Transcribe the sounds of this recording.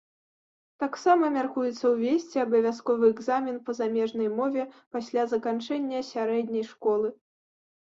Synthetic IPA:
t̪aksamɐmʲarkujɛt̪sːɐwvʲesʲt͡sʲiɐbɐvʲas̬kɔvɨɛɡzamʲinpɐzamʲɛʐnɐjmɔvʲɛpasʲlʲazɐkant͡ʂɛnʲːɐsʲaɾɛd̪ʲnʲɐjʂkɔlˠɨ

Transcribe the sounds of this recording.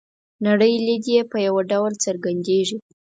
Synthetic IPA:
naɽəjlid̪jepəjawaɖawlt͡səɾɡand̪eʐi

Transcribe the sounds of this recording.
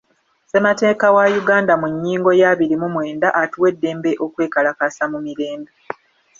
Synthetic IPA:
se̞mate̞ːkawajuɡaːndamuɲːiːŋɡo̞jaːβiɾimumwe̞ːndaʔatuwe̞dːe̞ːmbe̞ʔo̞kwe̞ːkalakasamumiɾeːmdo

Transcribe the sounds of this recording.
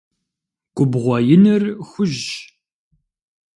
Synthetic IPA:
kʷʼʊbʁʷɔjɪnɨrxʷʊʒ

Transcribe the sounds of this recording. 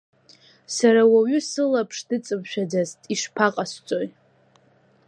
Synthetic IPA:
saɾawaɥʏsɨlapʰʂdɨt͡sʼɨmʃᶣad͡zaztʼiʂpʰaqʼast͡sʷʼo̞jtʼ

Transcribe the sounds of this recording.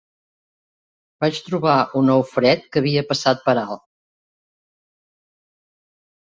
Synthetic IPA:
b̥at͡ʃt̪ɾuβaʔunɔwfɾɛt̪kəβiəpəsat̪̚pəɾalˠ

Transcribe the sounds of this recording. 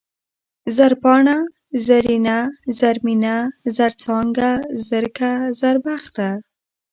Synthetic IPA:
zaɾpɑɳa | zaɾinazaɾminazaɾt͡sɑŋɡazəɾkazaɾbaxt̪a

